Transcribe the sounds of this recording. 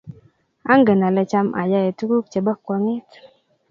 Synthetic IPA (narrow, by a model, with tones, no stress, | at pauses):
a̰˦ŋɡə˨na˨lɛ˨t͡ʃa˦mʔa̰˨ja˦je˨tu˦ku˦k̚t͡ʃe˨bɔ˦kːɔ˨ŋɪ˦t